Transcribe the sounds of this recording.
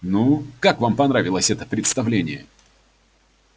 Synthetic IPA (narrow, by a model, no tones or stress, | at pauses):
nukakvampɐnɾavʲɪlˠəsʲɛt̪əpɾʲɪt̪st̪ɐvlʲenʲɪjə̰